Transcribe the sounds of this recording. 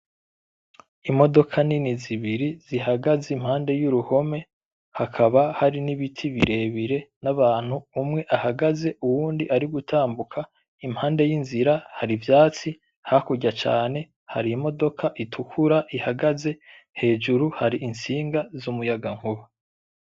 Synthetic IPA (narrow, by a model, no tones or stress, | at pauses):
imo̞do̞kʰaniniziβiɾiz̥ihaɡazeim̥haːnde̞juɾuho̞me̞ | hakʰaβahaɾiniβitʰiβiɾe̞βiɾe̞naβaːn̥huːmŋe̞ʔahaɡaze̞uwuːndiʔaɾiɡutʰaːmbukʰa | imhaːnde̞jinziɾahaɾivjaːt͡si | hakuɟat͡ʃa̰ːne̞ | ha̰ɾimo̞do̞kʰaʔitʰukʰuɾaʔihaɡaze̞ | he̞ːd͡ʒuɾuhaɾiʔinsiːŋɡazumujaɡaŋ̥huβa